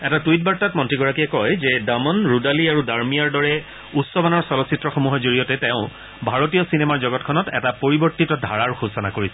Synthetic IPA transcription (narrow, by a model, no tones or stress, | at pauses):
ɛtatwit̚baɹtatmɔntɹiɡɔɹakiɛkɔjzɛdamɔnɹudaliaɹudaɹmijaɹdɔɹɛ | utsɔbanɔɹsɔlɔsitɹɔxomuɦɔzoɹijɔtɛtɛʊ̃ | bʱaɹotijɔsinɛmaɹzɔɡɔtkʰɔnɔtɛ̰tapoɹibɔɹtitɔdʱa̰ɹaɹxusɔnakoɹisɛ